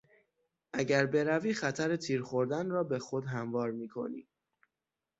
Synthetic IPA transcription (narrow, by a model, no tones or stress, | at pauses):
ʔæɟæɾbe̞ɾæviːxæt̪ʰæɾet̪ʰiːɾxoɾd̪ænrɒːbe̞xo̞d̪ɦæmvɒːɾmiːkʰo̞̰nḭː